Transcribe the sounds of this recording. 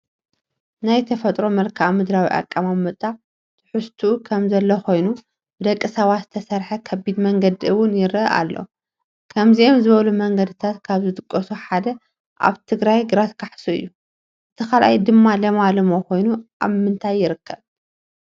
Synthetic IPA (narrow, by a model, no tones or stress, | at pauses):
najt̪ʰɐfɐt̪ʼɾo̞mɐlkʰamɨd̪ɾawḭʔa̰kʼːamamːɐt̪ʼːa | t̪ʰɨ̥ħust̪ʰuːkʰɐmzɐlːɐxo̞jnu | b̥ɨd̪ɐkʼːɨsɐβat̪zɨt̪ʰɐsɐɾħɐkʰɐbid̪mɐŋɡɐd̪iɨwʊnjɪɾ̰ʔa̰lːo̰ | kʰɐmziʔomzɨβɐlumɐŋɡɐd̪ɨt̪ʰat̪kʰaβzɨt̪ʼɨkʼːɐsuħad̪ɐ | ʔa̰βt̪ʰɨɡɾajɡɨɾat̪kʰaħsuɨ̰jːu | ʔɨt̪ʰɐxalʔa̰jd̪ɨmːalɐmalɨmo̞ko̞jnuʔa̰βmɨnt̪ʰajːɪɾɨkʰːɐβ